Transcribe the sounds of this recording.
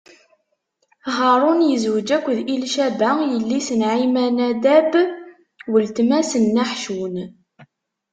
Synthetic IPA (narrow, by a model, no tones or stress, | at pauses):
ɦɑɾˤʊnjəzwəd͡ʒækʷːðilʃæbæjəlːisənʕimænæd̪æb | wəlt̪mæsənːaħʃun